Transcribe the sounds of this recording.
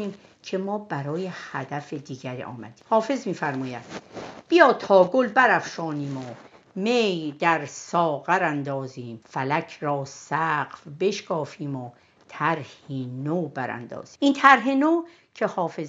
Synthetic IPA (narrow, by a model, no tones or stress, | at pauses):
iːm | cʰe̞mɒːbæɾɒːjehæd̪æfed̪iːɟæɾḭːɒ̰ːmæ̰d̪i̥ːmhɒːfe̞zmiːfæɾmɒːjæd̪̥b̥ijɒːt̪ʰɒːɡolbæɾæfʃɒːniːmo | mejd̪æɾsɒːɣæɾænd̪ɒːziːmfælæcʰɾɒːsæɢfbe̞ʃkɒːfiːmo | t̪ʰæɾhiːnobæɾæ̰nd̪ɒ̰ːz̥iːiːnt̪ʰæɾɦenoː | cʰe̞hɒːfez